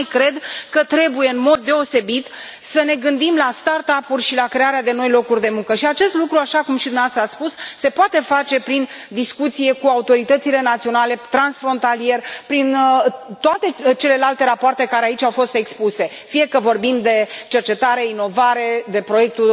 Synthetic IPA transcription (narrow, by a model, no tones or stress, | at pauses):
jkɾe̞d̪kət̪ɾe̞buje̞ɨnmo̞d̪ːe̞o̞se̞bit̪səne̞ɡɨnd̪imlast̪art̪apulʲʃilakɾe̞aɾead̪e̞no̞jlo̞kurʲd̪e̞muŋkəʃiat͡ʃe̞st̪lukɾuaʃakumʃid̪umeavast̪ɾəat̪spusːe̞poat̪e̞fat͡ʃe̞pɾin | d̪iskut̪sije̞kuaut̪o̞ɾit̪ət̪sile̞nat̪sio̞nale̞t̪ɾansfɾo̞nt̪alije̞rpɾint̪oat̪e̞t͡ʃe̞le̞lalt̪e̞ɾapoart̪e̞kaɾeait͡ʃʲawfo̞st̪e̞kspuse̞ | fije̞kəvo̞rbimd̪e̞t͡ʃe̞rt͡ʃe̞t̪aɾe̞ino̞vaɾe̞d̪e̞pɾo̞je̞k̚t̪u